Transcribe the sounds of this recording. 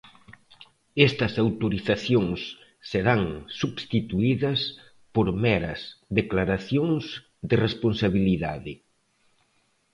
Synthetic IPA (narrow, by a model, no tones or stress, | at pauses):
ɛst̪ɐsawt̪oɾiθaθjoŋsː | eɾaŋsuβst̪it̪uiðɐs | poɾmɛɾɐ̰sðeklaɾaθjoŋsz | d̪ɪresponsaβiliða̰ðɪ